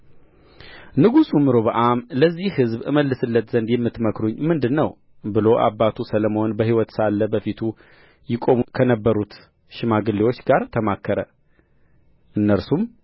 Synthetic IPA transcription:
nɨɡusumːɨɾoβəʔamləzːihhɨzβɨməlːɨsɨlːət̪z̥ənd̪jɛmːɨt̪məkɾuɲːmɨnd̪ɨnːəw | bɨlo̞ʔa̰bat̪ʰusələməhonbəhiwɔt̪salːəbəfit̪ʰu | jɪkʼo̞mkʰənəbːəɾut̪ | ʃɪmaɡɨlːewo̞t͡ʃːɡaɾt̪ʰəmakʰːəɾə | ʔɨnːəɾsum

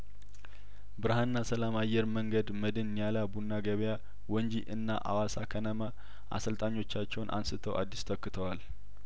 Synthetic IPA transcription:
bɨɾhanːasəlamajːɛɾməŋɡəd̪məd̪ɨnjalabunːaɡəβja | wɔɲd͡ʒiʔɨnːaʔa̰wasakʰənəmə | ʔa̰səlt̪ʼaɲːo̞t͡ʃːat͡ʃːɛwnʔa̰nsɨt̪ʰəwʔa̰d̪ːist̪ʰəkːɨt̪ʰəwal

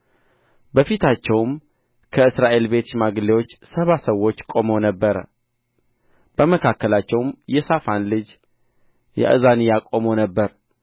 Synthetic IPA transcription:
bəfit̪ʰat͡ʃːɛwm | kʰəɨsɾaʔe̞lbe̞t̪maɡlewo̞t͡ʃːsəβasəwːo̞t͡ʃːkʼo̞monəbːəɾə̰ | b̥əməkʰakːəlat͡ʃːɛwmjɛsafanlɨd͡ʒ | jɛ̰ʔɨ̰zanijakʼo̞monəbːəɾ

